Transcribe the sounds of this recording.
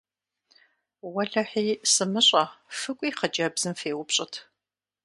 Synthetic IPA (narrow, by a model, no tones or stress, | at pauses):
wɐɮɐħiːsɨmɨɕʼɐfɨkʷʼiːχɐd͡ʒʼɐbz̥ɨmfeːwʊpɕʼɪtʰ